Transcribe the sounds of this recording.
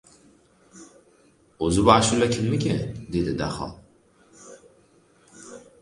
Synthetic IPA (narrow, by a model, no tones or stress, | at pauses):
ɵzɪbaaʃʊlːakʲʰɪlmɪkʲɪd̪e̞d̪ɪd̪aχɒ̰lˠ